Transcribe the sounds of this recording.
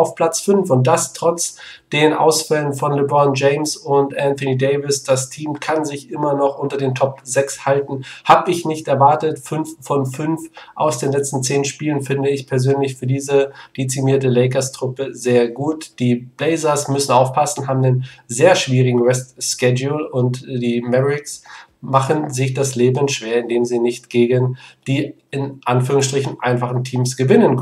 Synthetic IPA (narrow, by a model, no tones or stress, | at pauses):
aʊfpʰl̥at͡sfʏnfʊnt̚d̥astʁ̥ɔt͡sd̥eːʁənʔa̰ʊsfɛlənfɔnlɪbɔnd͡ʒeɪmsʊntʔɛnθɔniːdeɪvɪsd̥astʰiːmkʰanzɪçʔɪmɐnɔχʔʊntɐdeːntʰɔpzɛkshaltn̩haːbəɪçnɪçtɛɐvaɐtətfʏnffɔnfʏnfʔa̰ʊsd̥eːnlɛt͡stn̩t͡seːnʃpiːlənfɪndəɪçpʰɛɐzøːnlɪçfyːɐdiːzəd̥et͡simiːɐtəleɪkɐstʁ̥ʊpəzeːɐɡuːtd̥iːb̥leɪzɐsmʏsn̩aʊfpʰasn̩ɦaːbm̩deːnzeːɐʃv̥iːʁɪɡŋ̩ʁɛstskɛd͡ʒulʊntd̥iːmɛʁɪksmaχənzɪçd̥asleːbənʃv̥eːɐɪndeːmziːnɪçtɡ̥eːɡənd̥iː | ɪnʔanfyːʁʊŋsʃtʁ̥ɪçn̩ʔaɪnfaχn̩tʰiːmsɡ̥əvɪnənk